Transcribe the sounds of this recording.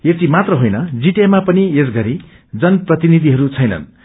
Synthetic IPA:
et͡simat̪rʌɦojnʌd͡ziʈamapʌniesɡʌɾi | d͡zʌnprʌt̪inid̪ʱiɦʌɾut͡sʰʌjnʌ̰n

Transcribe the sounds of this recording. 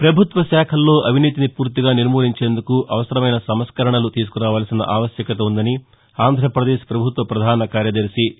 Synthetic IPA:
pɾɐbʱut̪ʋɐsɛːkʰɐlːo̞ːʔɐʋʱiniːt̪̬inipuːɾt̪iɡaːniɾmoːliɲt͡ʃe̞ːnd̪ukuʔɐʋɐsɐɾɐmɐjnɐsɐmɐskɐɾɐɳɐlut̪iːs̬u̥kuɾaːʋaːlɐsinɐ̰ʔaːʋɐsjɐkɐt̪ɐund̪ɐni | aːnd̪ʱɾɐpɾɐd̪eːʃpɾɐbʱut̪ʋɐpɾɐd̪ʱaːnɐkaːɾjɐd̪ɐɾʃi

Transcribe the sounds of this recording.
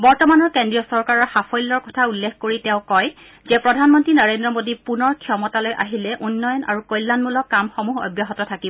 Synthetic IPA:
bɔɹtɔmanɔɹkendɹijɔsɔɹkaɹɔɹxapʰɔjlːɔɹkɔtʰaulːekʰkoɹitɛ̃ʊ̃kɔj | zɛpɹɔdʱanmɔntɹinɔɹendɹɔmodipunɔɹkʰiɔmɔtalojʔaɦilɛʔunːɔjɔna̰ɹukɔjlːanmulɔkːamxɔmuɦɔ̰bjaɦɔtɔtʰakibɔ

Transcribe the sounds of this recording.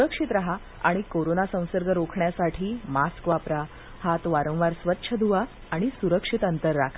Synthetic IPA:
suɾəkʂit̪ɾaɦa | a̰ɽ̃ikoɾonasə̃w̃səɾɡəɾokʰɳjasaʈʰiːmaskʋapɾa | hat̪ʋaɾə̃w̃ʋaɾsʋət̪ːɕʰəd̪ʱuʋa | aɽ̃isuɾəkʂit̪ənt̪əɾːakʰa

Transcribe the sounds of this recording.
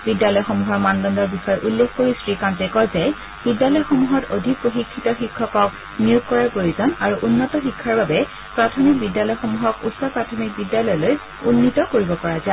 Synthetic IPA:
bidjalɔjxomuɦɔɹmandɔndɔɹbixɔjɔʔulːekkoɹisɹikantekɔɹzɛj | b̥idjalɔjxomuɦɔtodʱik̚poxikʰːitɔxikʰːɔkɔk | nijukkɔɹapojizɔnaɹuʔunːɔtɔxikʰːaɹbabɛ | pɹatʰɔmik̚bidjalɔjxomuɦɔkutsɔpɹatʰɔmik̚bidjalɔjɔloj | unːitɔkoɹibɔpɔɹaza

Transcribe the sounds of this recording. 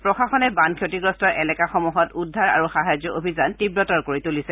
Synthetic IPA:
pɹɔxaxɔnɛbankʰjotiɡɹɔstɔʔɛlɛkaxɔmuɦɔtudʱːaɹa̰ɹuxaɦazɔʔobʱizantibɹɔtɔɹkoɹitulisɛ

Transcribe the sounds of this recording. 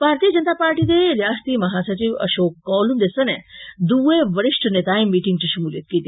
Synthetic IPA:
b̥ʱaːɾt̪ijəd͡ʒənt̪aːpaːɾʈiːd̪eljaːst̪imɐɦaːsat͡ɕiʋɐ̰ʃoːkːɔːlund̪esɐned̪uːeʋɐɾiʂʈʰənet̪aːĩmiːʈiŋɡ̚t͡ɕiʃɐmuːlit̪̚kiːt̪i

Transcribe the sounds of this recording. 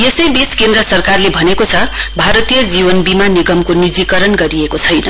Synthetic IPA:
jesʌjbiskend̪rʌsʌrkarlebʱʌnekot͡sʰʌbʱaɾʌt̪ijʌd͡zibʌnbimaniɡʌmkonid͡zikʌɾʌnɡʌɾiekot͡sʰʌjnʌ

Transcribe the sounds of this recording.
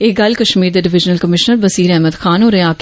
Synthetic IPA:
eːɡɐlkɐʃmiːɾd̪eɖɪʋɪd͡ʒnəlkəmɪʃnəɾbɐsiːɾɛɦməd̪xʰaːnoːɾeaːk

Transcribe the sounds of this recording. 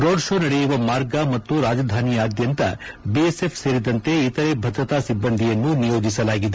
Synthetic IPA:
ɾoːɖʃo̞ːnɐɽejuʋɐmaːɾɡɐmɐt̪ːuɾaːd͡ʒɐd̪ʱaːnijaːd̪jɐnt̪ɐ̰ | biese̞pʰseːɾid̪ɐnt̪e̞it̪ɐɾe̞bʱɐd̪ɾɐt̪aːsibːɐnd̪ʱijɐnːunijo̞ːd͡ʒisɐlaːɡid̪e

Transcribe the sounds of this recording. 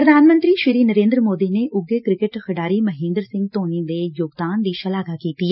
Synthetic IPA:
ɾəd̪aːnmə̃nt̪ɾiʃɪɾiːnəɾẽːnd̪ɾəmoːd̪ineʔʊɡekɾɪkɪʈxɐɖaːɾimɐɦẽːnd̪ɾsɪ̃ŋɡ̚t̪oːnid̪ejoːɡd̪aːnd̪iːʃɐlaːɡakiːt̪i

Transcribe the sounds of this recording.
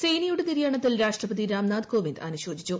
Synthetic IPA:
sejnijuɽet̪iɾijaːɳɐt̪ːilɾaːʂʈrɐpɐd̪iɾaːmnaːd̪ko̞ːʋind̪ɐnuɕo̞ːd͡ʑit͡ɕːu

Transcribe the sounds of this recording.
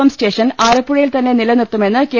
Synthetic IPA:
ɐmsʈe̞ːʂɐnaːɾɐpːuɻɐjilt̪ɐnːe̞nilɐnirt̪ːume̞nːɨkeː

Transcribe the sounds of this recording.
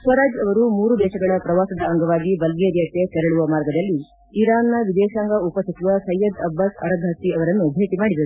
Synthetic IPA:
swɐɾaːd͡ʒɐʋɐɾumuːɾud̪ɛːʃɐɡɐɭɐpɾɐʋaːsɐd̪ɐːŋɡɐʋaːɡibɐlɡeɾjɐk̪et̪ɛɾɐɭuʋɐmaːɾɡɐd̪ɐlːi | iɾaːnːɐʋid̪ɛːʃaːŋɡɐupɐst̪ʰit͡ʃuʋɐsɐjːɐd̪ɐbːaːsɐ̰ɾɐɡʱɐst̪ːiɐʋɐɾɐnːubʱeːt̪imaːɽid̪ɐɾu

